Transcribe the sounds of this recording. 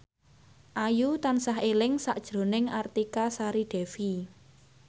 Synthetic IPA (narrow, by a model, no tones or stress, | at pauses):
ʔajut̪ansaɦelɪŋsaʔd̥ʒ̥ɾo̤nɪŋart̪ikasaɾiɖ̪̥ɛ̤fi